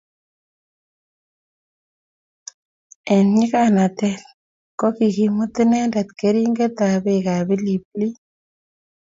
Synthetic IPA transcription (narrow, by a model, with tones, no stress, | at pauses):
ɛ˨nɲi˦ka˨na˨t̪ɛ˦l | ko˦ki˨ki˨mu˦t̪i˦ne˦nda˨t̪ke˦ɾi˦ŋɡe˦t̪a˨be˦ka˨bi˦li˨pli˦